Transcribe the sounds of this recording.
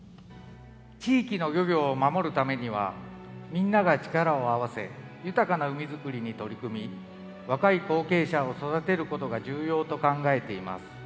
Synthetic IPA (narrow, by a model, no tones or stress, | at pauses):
t͡ɕiːkʲino̞ɡʲoɡʲo̞ːmamo̞ɾɯ̟t̪ame̞ɲ̟iβ̞a̰mʲĩnːaɡat͡ɕi̥kaɾao̞aβ̞ase̞̰jɯ̟t̪akanaɯ̟mʲizɨkɯ̟ɾʲiɲ̟it̪o̞ɾʲikɯ̟mʲi | βakaiko̞ːke̞ːɕao̞so̞d̪at̪e̞ɾɯ̟ko̞t̪o̞ɡaʑɨːjo̞ːt̪o̞kãŋɡae̞t̪e̞ima̰sɨ̥